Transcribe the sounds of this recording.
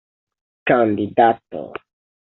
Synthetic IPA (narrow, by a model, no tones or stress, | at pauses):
kandidato̰